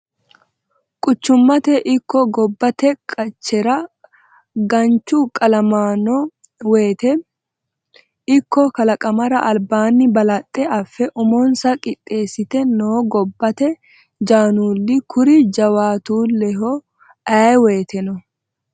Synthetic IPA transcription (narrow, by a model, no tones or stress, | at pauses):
kʼʊt͡ʃːʊmːɐt̪ɛʔɪkːɔɡɔbːɐt̪ɛkʼɐt͡ʃːɛɾɐ | ɡɐnt͡ʃːʊkʼɐlɐmaːnɔ | weːt̪ɛ | ɪkːɔkɐlɐkʼɐmɐɾɐʔɐlbaːnːɪbɐlɐt̪ʼːɛʔɐfːɛʔʊmɔnsɐkʼɪt̪ʼːe̞ːsːɪt̪ɛnoːɡɔbːɐt̪ɛ | d͡ʒaːnuːlːɪkʰʊɾɪd͡ʒɐwaːt̪uːlɛɦɔ | ɐweːt̪ɛnɔ